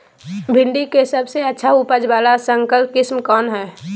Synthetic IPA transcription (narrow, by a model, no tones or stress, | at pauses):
bʱɪ̃ɳɖikesəbseətːʃʰaʊpəd͡ʒbaːlasə̃ŋkəlp̚kɪsmkɔːnɦɛː